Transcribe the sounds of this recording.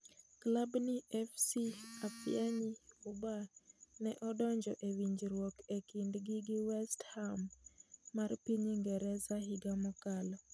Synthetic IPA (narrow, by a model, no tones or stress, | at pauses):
klabniʔɛfsiapjaɲiubanɛʔɔdɔɲd͡ʒɔʔewiɲd͡ʒɾwɔkekindɡɪɡɪwɛsthamː | arpiɲiŋɡɛɾɛsaɦɪɡamɔkalɔ